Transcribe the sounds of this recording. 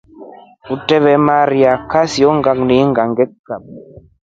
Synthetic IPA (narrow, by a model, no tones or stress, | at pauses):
utɛβɛmaɾiakasiɔŋɡakniŋɡaŋɡɛkːap̚